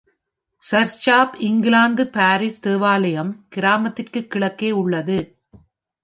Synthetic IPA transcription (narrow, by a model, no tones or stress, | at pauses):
sɐɾt͡ʃaːpɪŋɡɪlaːnd̪ɯpaːɾist̪eːʋaːlɐjɐmkɪɾaːmɐt̪ːɪrkɯkːɪɭɐkːeːʊɭːɐðɯ